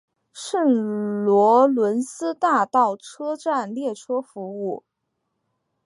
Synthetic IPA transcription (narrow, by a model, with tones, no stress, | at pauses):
ʂə˥˩nlwɔ˧˥lwə˧˥nsɹ̩˥t̪a˥˧t̪ɑ˥˩ʊʈ͡ʂʰɤ˥ʈ͡ʂa˥˧nljɛ˥˩ʈ͡ʂʰɤ˥fu˧˥u˥˩